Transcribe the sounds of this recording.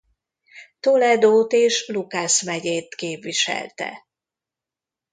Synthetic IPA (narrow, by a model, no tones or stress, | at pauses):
t̪olɛd̪oːt̪eːʃlukaʃmɛɟeːt̪keːpʋiʃɛ̰lt̪ɛ̰